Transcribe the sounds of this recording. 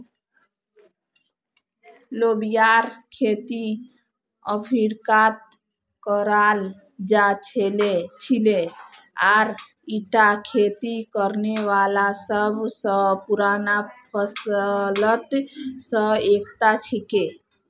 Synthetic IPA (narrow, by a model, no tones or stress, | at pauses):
lobijaɾkʰet̪i | əpʰiɾkat̪̚ | kəɾal | d͡ʒat͡ʃʰelet͡ʃʰile | aɾ | iʈakʰet̪ikəɾnewalasəbʱsəpuɾanapʰəslət̪sə̃ek̚t̪at͡ʃʰike